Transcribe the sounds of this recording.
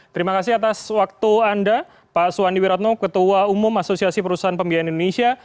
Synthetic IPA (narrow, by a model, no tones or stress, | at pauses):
t̪əɾimakasɪhat̪aswak̚t̪uanda | pasuaniwiɾat̪̚nɔkət̪uaumʊmasosiasipəɾusaɦanpəmbiaanindonesia